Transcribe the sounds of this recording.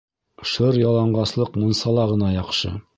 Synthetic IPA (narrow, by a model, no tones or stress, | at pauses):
ʃɤɾjɑlˠɑɴɢɑslˠɤqmunsɑlˠɑʁɤ̆nɑjɑqʃɤ̰